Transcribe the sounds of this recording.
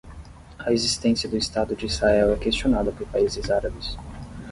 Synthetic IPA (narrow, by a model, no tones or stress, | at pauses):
ɐezist̪ẽsiɐd̪ʊist̪ad̪ʊd͡ʒɪiz̥haɛwɛkest͡ʃionad̪ɐpoɾpaizɪzaɾabɪs